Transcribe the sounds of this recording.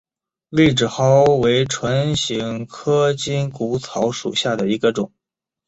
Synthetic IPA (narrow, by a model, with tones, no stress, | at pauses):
li˥˩ʈ͡ʂɻ̩˨˩xɑ˥ʊwe˧˥ɪʈ͡ʂʰwa˧˥nɕi˧˥ŋkʰɤ˥t͡ɕi˥nku˧˥t͡sʰɑ˧˥ʊʂṵ˨˩ɕja˥˩d̪ə˩i˧˥ɡə˧ʈ͡ʂʊ˨˩˦ŋ